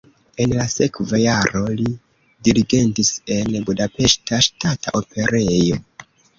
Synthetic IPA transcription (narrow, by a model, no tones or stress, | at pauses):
e̞nlase̞kvajaɾo̞li | diɾiɡe̞ntise̞nbudape̞ʃtaʃtataʔo̞pe̞ɾejo̞